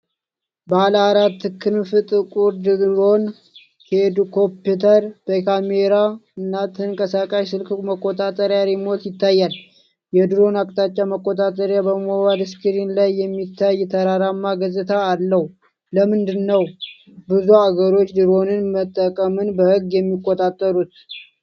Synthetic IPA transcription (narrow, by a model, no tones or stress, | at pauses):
bəalaɾat̪ːɨkʰɨnfɨt̪ʼɨkʼuɾd̪ɨd̪ɾo̞n | hed̪kʰo̞pjut̪ʰəɾb̥əkʰameɾaɨnːat̪ʰɨŋkʼəsakʼaʃsɨlkməkʼːo̞t̪ʼat̪ʼəɾjaɾimo̞t̪jɪt̪ːajːal | jɛd̪ɨɾo̞nakʼt̪ʰʼat͡ʃʼːaməkʼːo̞t̪ʼat̪ʼəɾjabəmowad̪ɨskʰɨɾinlajːɛmːit̪ʰːajːɛt̪ʰəɾaɾamːaɡəzɨt̪ʰaːlːəh | ləmɨnd̪ɨnːəw | bɨzuaɡəɾo̞t͡ʃːd̪ɨɾo̞nɨnmət̪ʼːəkʼəmɨnbəhɨɡːjɛmːikʼːot̪ʼat̪ʼːəɾut̪̚